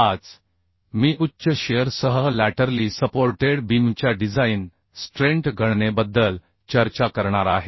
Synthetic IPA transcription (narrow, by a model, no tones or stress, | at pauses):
ad͡z | miːʔutːɕəɕeəɾsəɦəlæʈəɾliːsəpoɾʈeɽbimt͡ɕjaɖid͡zain | sʈɾẽɳʈɡʱəɽɳebəd̪ːəl | t͡ɕəɾt͡ɕakəɾɳ̃aɾaɦe